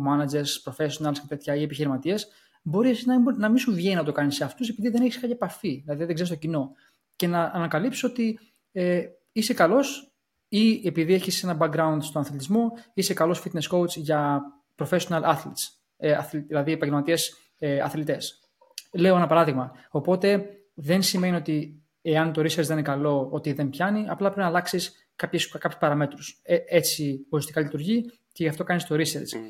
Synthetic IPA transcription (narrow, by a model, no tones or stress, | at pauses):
mɐnɐd͡ʑe̞ɾspɾo̞fe̞sionɐlscet̪e̞t̪çɐiepiçiɾimɐt̪ie̞s | bo̞ɾiesiznɐibnɐmisuðʝeinɐt̪o̞kɐniseɐft̪us̬e̞piðiðe̞neçiskɐɲepɐfiðilɐðiðeɡzeɾist̪ocino̞ | ce̞nɐʔːnɐkɐlipsio̞t̪i | e | ise̞kɐlo̞s | iepiðieçise̞nɐbɐk̚ɡɾɐund̪st̪onɐθlit̪izmo̞ise̞kɐlo̞sfit̪ne̞sko̞wt͡sʝɐ | pɾofe̞sionɐlʔɐθlit̪s | ɐθlðilɐðiepɐɲɟelmɐt̪ies | ɐ̰θlit̪e̞s | le̞o̞enɐpɐɾɐðiɣmɐo̞po̞t̪e̞ | ðe̞nsime̞nio̞t̪i | e̞ɐnt̪o̞ɾiseɾzðeninekɐlo̞ot̪iðe̞mpçɐniɐplɐpɾepinɐlɐksis | kɐpçeskɐpçu̥spɐɾɐme̞t̪ɾuseet͡sioist̪ikɐlit̪uɾʝi | ce̞ʝɐft̪o̞kɐnist̪o̞ɾiseɾt͡s